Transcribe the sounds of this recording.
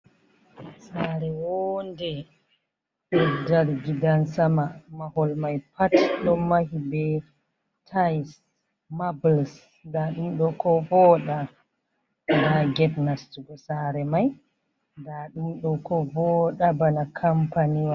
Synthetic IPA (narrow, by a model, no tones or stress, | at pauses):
saɾɛwondɛ | ɗudalɡidansamamahɔlmajpʰatɗɔmahibɛ | tʰajs | mabls | ndaɗumɗɔkɔvɔːɗa | daɡɛbnastuɡɔsaɾɛmaj | ndaɗumɗɔkɔvɔɗabanakʰampaniwa